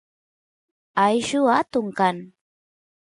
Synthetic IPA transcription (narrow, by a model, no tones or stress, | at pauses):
ajʃʊat̪ʊŋkaŋ